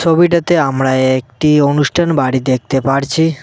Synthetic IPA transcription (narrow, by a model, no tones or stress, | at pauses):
sɔbiʈat̪eamɾaeek̚ʈionuʃʈʰanbaɽid̪ek̚ʰt̪epaɽt͡ɕʰi